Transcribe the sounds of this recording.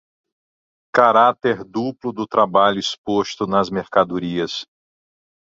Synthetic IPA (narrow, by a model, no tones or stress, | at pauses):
kaɾat̪eɾd̪uplʊd̪ʊt̪ɾabaʎʊispost̪ʊnɐzmeɾkad̪uɾiɐs